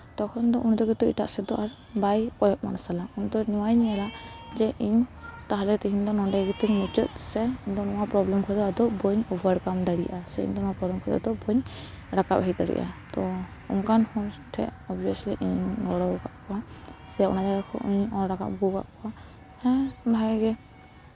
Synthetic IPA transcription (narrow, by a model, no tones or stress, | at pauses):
t̪ɔkʰɔnd̪ɔʔund̪ɔɡɛt̪uiʈa̰ʔsɛd̪ɔʔaɾ | bajkɔjɔt̪̚manasalaund̪ɔniwajɲialad͡ʒɛʔiɲt̪aɦalɛt̪iɦiɲd̪ɔnɔɳɖɛɡit̪iŋnut͡ʃɔt̪̚sɛuɲd̪ɔnɔwapɾɔblɛmkʰɔd̪ɔad̪ɔbɔɲubʱəɾkamd̪aɽḭjʔasɛḭɲd̪ɔnɔwapɾɔblɛmkʰɔd̪ɔ̰d̪ɔbɔɲ | ɾaka̰p̚ɦid̪a̰ɽḭʔa̰t̪ɔ | ṵnkanhɔ̃ɾʈʰɛ̰ʔɔbiɔsliʔiɲɡɔɽɔka̰ʔkɔsɛjaʔɔ̰nad͡ʒaɡakʰɔ̰ʔuɲɔ̃ɾaka̰ʔ̚ɡuka̰ʔkɔ | hɛ̃bʱajɡɛ